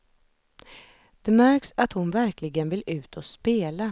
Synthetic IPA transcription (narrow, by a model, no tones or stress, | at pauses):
d̪̥ɛmæɾksat̪hʊnvæɾklɪɡənvɪlʉ̟ːt̪ʰɔspeːla